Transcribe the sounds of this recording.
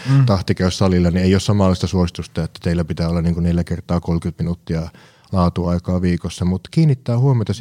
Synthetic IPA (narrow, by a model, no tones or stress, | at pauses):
t̪ɑht̪ikæˑyssɑlilːɑnieˑiˑossɑmɑlːˑɑˑist̪ɑsuosit̪ust̪ɑet̪ːæ̥t̪eilːæpit̪æːolːɑniːŋkuneljækert̪ˑɑːkolkyt̪minut̪ːiɑ | lɑːt̪uɑˑikɑːʋiːkosːɑmut̪kiːnːit̪ːæːhuomiot̪ɑs